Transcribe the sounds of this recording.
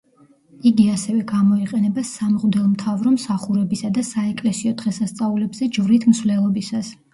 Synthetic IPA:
iɡiasɛvɛɡamɔiqʼɛnɛbasamʁd̪ɛlˠmt̪ʰavɾɔmsaχuɾɛbisad̪asaɛkʼlɛsiɔd̪̥ʁɛsast̪sʼaulɛbzɛd͡ʒvɾit̪ʰmsvlɛlˠɔbisas

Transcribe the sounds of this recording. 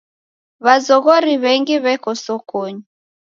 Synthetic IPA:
βazɔɣɔɾiβɛŋɡiβɛkɔsɔkɔɲu

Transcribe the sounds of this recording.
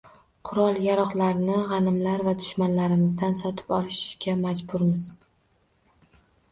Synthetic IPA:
qʰʊɾɒlˠjaɾɒχlaɾnɪʁɑnɪmlaɾvad̪ʊʃmanlaɾɪmɪzd̪ansɒt̪ʰɪ̥pɒlˠɪʃɡʲamad͡ʒbʊɾmɪz

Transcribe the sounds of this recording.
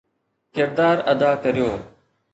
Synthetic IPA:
kɪɾd̪aːɾəd̪aːkəɾijoː

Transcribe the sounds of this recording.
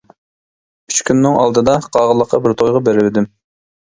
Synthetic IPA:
yt͡ʃkʲynːɪŋɑlˠd̪ɨd̪ɑqʰɑːʁəlˠəqʰːɑbɪɾt̪ʰojʁɑbeɾɪlɪd̪ɪm

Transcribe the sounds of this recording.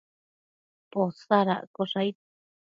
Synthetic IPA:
posaɾa̰ʔkoʂajt̪̚

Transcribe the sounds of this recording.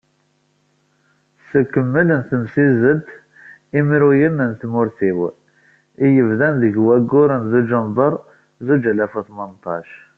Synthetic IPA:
səkːəmːələnθəmsizəd̪ | imiɾujənənt̪mʊɾθiw | ijəvðænðəɡwæɡːʊɾənzud͡ʒəmbˤəɾˤ | zud͡ʒælæfuθmənt̪ˤɑʃ

